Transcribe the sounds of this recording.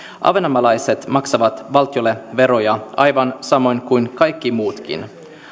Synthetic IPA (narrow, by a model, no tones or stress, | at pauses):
ʔɑ̰ʋenɑmɑlɑjse̞t̪mɑksɑʋɑt̪ʋɑlt̪ijo̞lːeʋe̞ɾo̞jɑɑjʋɑnsɑmo̞jnkujnkɑjkːimuːt̪k̟ḭn